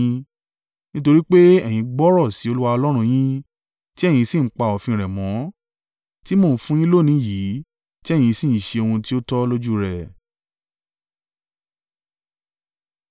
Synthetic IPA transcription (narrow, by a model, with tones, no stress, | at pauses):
nĩ˦to˧ɾi˦k͡pe˦ɛ˦˨j̃ĩ˨˧ɡ͡bɔ˦ɾɔ˦˨si˨˦o˧lu˦wa˧ɔ˧lɔ˦ɾ̃ũ˧j̃ĩ˦ | ti˦ɛ˦˨j̃ĩ˧sĩ˦˨˦k͡pa˧ɔ˨fĩ˧ɾɛ˨mɔ̃˨˦ | ti˦mo˦˨fũ˦j̃ĩ˦lo˦˨nĩ˨˦ji˨˦ | ti˦ɛ˦˨j̃ĩ˧sĩ˦˨˦ʃe˧o˧hũ˧ti˦o˦tɔ˦lo˦d͡ʒu˦ɾɛ˨